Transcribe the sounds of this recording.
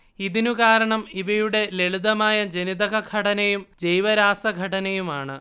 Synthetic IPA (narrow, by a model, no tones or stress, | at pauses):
iðinukaːɾɐɳɐmiʋɐjuɽe̞le̞ɭuðɐmaːjɐd͡ʑeniðɐɣɐɡʱɐʈɐnɐjumd͡ʑejʋɐɾaːsɐɡʱɐʈɐnɐjumaːɳɨ